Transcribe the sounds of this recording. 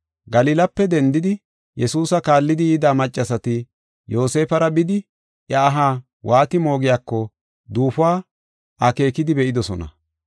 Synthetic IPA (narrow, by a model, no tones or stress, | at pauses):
ɡɐlɪːlɐpːɛd̪ɛnd̪ɪd̪ɪ | jɛsuːsɐkaːlːɪd̪ɪjiːd̪aːmɐt͡ʃʼːɐsɐt̪ɪ | jo̞ːse̞ːfɐɾɐbɪd̪ɪ | ʔjɐːɦaː | wʔaːt̪ɪmo̞ːɡɪjaːkːɔ | d̪uːfʊaː | ʔɐke̞ːkɪd̪ɪbɛʔɪd̪ɔsɔnɐ̰